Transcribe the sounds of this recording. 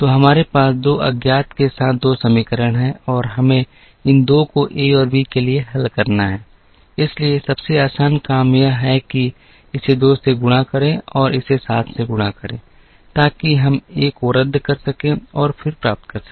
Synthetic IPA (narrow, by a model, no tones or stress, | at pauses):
t̪oːɦɐmaːɾepaːsd̪oːʔɐ̰ɡjaːt̪kesaːt̪̚ʰd̪oːsɐmiːkəɾəɽ̃ɦɛ̃ɔːɾɦɐmẽ | ɪnd̪okoʔeːɔːɾbʱikelieɦɐlkɐɾnaɦɛː | ɪsliesɐbseaːsaːnkaːmjaɦɛki | ɪsed̪oːseɡʊɽ̃akɐɾẽɔːɾɪsesaːt̪ʰseɡʊɽ̃akɐɾḛ̃ː | t̪aːkiɦɐmeːkʊɾəd̪ʱːkɐɾsɐkẽɔːɾfʰɪɾpɾaːp̚t̪̚kɐɾsɐ̥